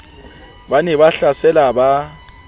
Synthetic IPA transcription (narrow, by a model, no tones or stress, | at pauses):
ɓanɛβaɬasɛlaɓa